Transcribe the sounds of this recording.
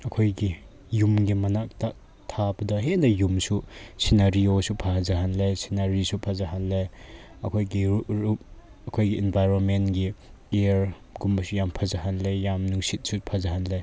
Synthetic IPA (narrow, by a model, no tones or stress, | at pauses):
ɐkʰojɡi | jumɡimɐnak̚ta | tʰabɐdɐɦenɐjumsusinaɾiosupʰahazaɦanlesinaɾisupʰazaɦanle | ɐ̰kʰojɡiɾuɾup̚ | ɐkʰojɡiinbʱajɾonmentɡi | eɾ | ɡumbɐsujampʰazaɦanlejamnuŋsit̚supʰazahanle